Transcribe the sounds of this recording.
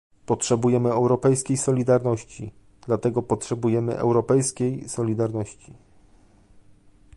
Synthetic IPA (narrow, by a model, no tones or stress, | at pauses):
pɔtʂɛbujɛmɘɛwɾɔpɛjskʲejsɔlʲid̪aɾnɔɕt͡ɕḭ | d̪lat̪ɛɡɔpɔtʂɛbujɛmɘ̰ʔɛ̰wɾɔpɛjskʲejsɔlʲid̪aɾnɔɕt͡ɕi